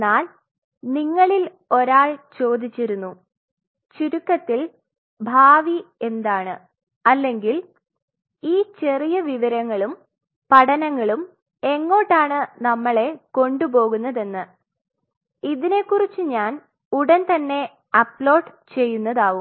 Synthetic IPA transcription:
aːl | niŋːɐɭil | o̞ɾaːɭt͡ɕo̞ːd̪it͡ɕːiɾunːu | t͡ɕiɾukːɐt̪ːil | bʱaːʋie̞nd̪aːɳɨ | ɐlːe̞ŋɡil | iːt͡ɕe̞rijɐʋiʋɐɾɐŋːɐɭum | pɐʈʰɐnɐŋːɐɭum | e̞ŋːo̞ːʈːaːɳɨnɐmːɐɭe̞ko̞ɳɖubo̞ːɣunːɐðe̞nːɨ | iðine̞kːurit͡ɕːɨɲaːn | uɽɐnt̪ɐnːe̞ | ɐplo̞ːɖt͡ɕe̞jːunːɐðaːʋum

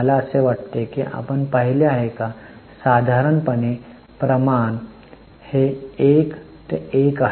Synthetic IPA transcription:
əlaəseʋaʈt̪ekiʔa̰pəɳpəɦileaɦeka | sad̪ʱaɾəɳpəne | pɾəman | heek | t̪eeka

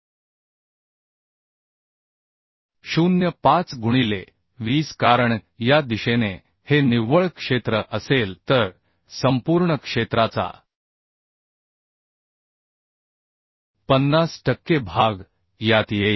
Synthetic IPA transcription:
ɕunjəpat͡sɡʱuɽ̃ile | ʋiːskaɾəɳ | jad̪iɕene | heniʋəɭkʂet̪ɾəʔəselt̪əɾ | səmpuɾɳəkʂet̪ɾat͡sa̰ | pənːasʈəkːebʱaɡ | jat̪je

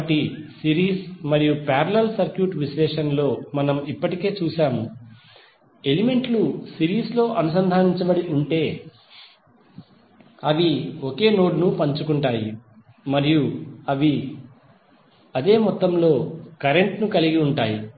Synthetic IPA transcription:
ɐʈisiɾiːsmɐɾijupaːɾɐlɐlsɐɾkjuːʈʋiʃlɛːʂɐnlo̞ːmɐnɐmipːɐʈike̞ːt͡ʃuːʃaːmu | e̞lime̞ɳʈlusiɾiːslo̞ːʔɐnusɐnd̪ʱaːniɲt͡ʃɐbɐɽiʔuɳʈe̞ː | ɐʋioke̞ːno̞ːɖnupɐɲt͡ʃukuɳʈaːji | mɐɾijuɐʋi | ɐd̪e̞ːmɔt̪ːɐmlo̞ːkɐɾe̞ɳʈnukɐliɡiuɳʈaːji

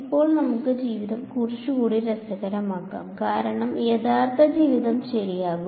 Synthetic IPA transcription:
ipːo̞ːɭnɐmukːɨd͡ʑiːʋiðɐmkurit͡ɕːuɣuːɽiɾɐsɐɣɐɾɐmaːkːa̰ːmkaːɾɐɳɐmjeðaːrt̪ʰɐd͡ʑiːʋiðɐmɕɐɾijaːɣu

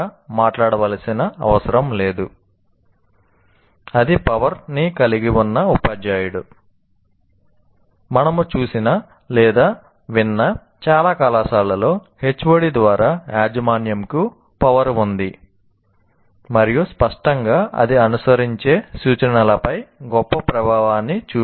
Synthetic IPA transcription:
maːʈlaːɽɐʋɐːlɐsinɐɐ̰ʋɐsɐɾɐmle̞ːd̪u | ɐd̪ipɐʋɐɾnikɐliɡiwunːɐupaːd͡ʒaːjuɽu | mɐnɐmut͡ʃuːsinɐ | lɛːd̪aː | ʋinːɐ | t͡ʃaːlaːkalaːsaːlɐlo̞ːhe̞t͡ʃːʋoɽid̪ʋaːɾʔaːaːd͡ʒɐmaːnjɐmku | pɐʋɐɾund̪i | mɐɾijuspɐʂʈɐŋɡaːɐ̰d̪iɐnusɐɾiɲt͡ʃe̞ːsuːt͡ʃɐɳɐlɐpɐjɡɔpːɐpɾɐbʱaːʋaːnːit͡ʃuː

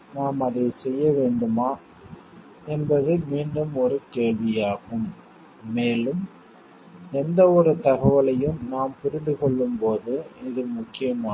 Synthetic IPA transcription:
naːmɐðɐɪsɛjːɐʋeːɳɖɯmaː | ɛnbɐðɯmiːɳɖɯmɔɾɯkeːɭʋɪjaːɣɯmː | eːlɯm | ɛnd̪ɐɔɾɯt̪ɐɣɐʋɐɭɐjɯmnaːmpʊɾɪnd̪ɯkɔɭːɯmpoːðɯɪðɯmʊkːɪjɐmaː

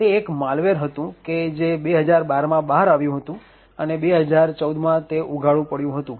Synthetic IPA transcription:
t̪eːkmalʋeɾɦət̪ũked͡ʒebeɦəd͡ʒaɾbaɾmãbaɦaɾaʋjũɦət̪ũ | ənebeɦəd͡ʒaɾt͡ʃəwd̪mãt̪eʔuɡʱaɭũpəɽjũɦət̪ũ

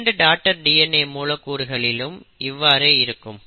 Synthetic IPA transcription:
ɳɖɯɖaːk̚ʈɐɾɖiːɛnːeːmuːlɐkːuːɾɯɣɐɭɪlɯmɪʋːaːɾeːɪɾɯkːɯm

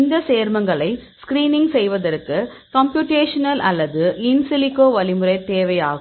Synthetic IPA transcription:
nd̪ɐseːɾmɐŋɡɐɭɐɪskɾiːnɪŋɡsɛjʋɐðɐɾkːɯ | kɐmpjuːʈeːʂɐnɐlʔɐlːɐðɯɪnsɪlɪkːoːʋɐlɪmɯrɐɪt̪eːʋɐjaːɣɯ

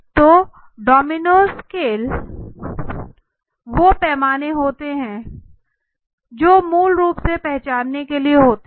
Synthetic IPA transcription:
t̪oː | ɖɔːmɪnoːskeːl | ʋopɛːmaːneɦoːt̪eɦɛ̃ | d͡ʒoːmuːlɾuːpsepɛɦt͡ʃaːnːekelieɦoːt̪e

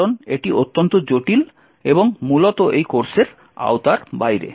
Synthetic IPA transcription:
oneʈiʔot̪ːont̪od͡ʑoʈil | eboŋmulot̪oʔejkoɾseɾ | a̰wt̪aɾbajɾḛ

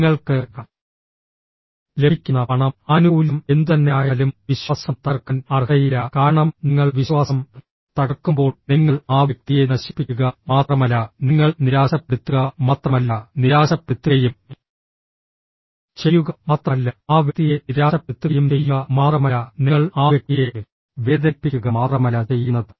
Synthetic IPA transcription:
ŋːɐɭkɨ | leikʲːunːɐpɐɳɐmɐnuːlɐme̞nd̪ut̪ɐnːeaːjɐlumʋiɕwasɐmt̪ɐrkɐnɐrɦɐjilɐkaːɾɐɳɐmniŋːɐɭʋiɕwaːsɐm | t̪ɐɽɐkːumbo̞ːɭniŋːɐɭaːʋjɐk̚t̪ije̞nɐɕi̥pːikʲːuɣɐmaːt̪rɐmɐlːɐniŋːɐɭniɾaːɕɐpːeɽut̪ːuɣɐmaːt̪rɐmɐlːɐniɾaːɕɐpːeut̪ːɨjum | t͡ɕe̞jːuɣɐmaːt̪rɐlːɐaːʋjkt̪ije̞niɾaːɕɐpːt̪ːuɣɐjumt͡ɕe̞jːuɣɐmaːt̪rɐmɐlːɐniŋːɐɭaːʋjɐk̚t̪ije | ʋeːðɐpːikʲːuɣɐmaːt̪rɐmɐlːɐt͡ɕe̞jːunːɐðɨ

